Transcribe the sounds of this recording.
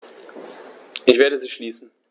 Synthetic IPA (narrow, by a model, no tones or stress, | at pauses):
ʔɪçv̥eːɐɾəziːʃliːsn̩